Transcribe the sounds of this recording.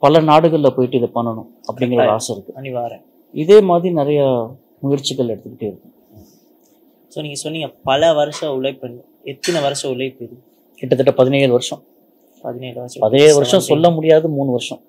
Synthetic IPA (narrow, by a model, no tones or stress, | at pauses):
pɐlɐnaːɽɯɣɐɭɪlɐpoːjɪʈːɯɪðɐpɐnːɐɳʊ̃ | ɐpːɐɽɪŋɡɪɾɐðɐaːsɐɪɾɯkːɯɐnɪʋaːɾɐ̃ | ɪðeːmaːðɾinɪɾɐjɐ | mʊjɪɾt͡ʃːɪkːɐɭɛɽɯt̪ːɯkːɪ̥ʈːɯɪɾɯkːɯ̃ | soːniːŋɡɐsɔnːiːŋɡɐpɐlɐʋɐɾɐʂɐ̃ʊlɐpːɐnː | ɛt̪ːɪnɐʋɐɾɐʂɐ̃ʊlɐɪpːɪðɯ | kɪʈːɐt̪ːɐʈːɐpɐðɪnɐjðɯʋɐɾʂɐ̃ | pɐðɪnɐjɐpɐðɪnɐjðɯʋɐɾʂɔ̃sɔlːɐmʊɽɪjaːðɯmuːnɯʋɐɾɯʂɐ̃